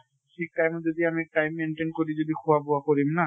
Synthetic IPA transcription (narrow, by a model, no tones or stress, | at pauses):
ʃʰik̚ʈajmd͡ʒod̪iamieʈajmːeɳʈenkoɾid͡ʒod̪ikʰoaboakoɾimna